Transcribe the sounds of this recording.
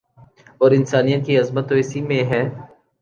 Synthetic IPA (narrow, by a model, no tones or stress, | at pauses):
ɔːɾɪnsaːnijət̪̚kiɐzmət̪ːoɪsimẽɦɛː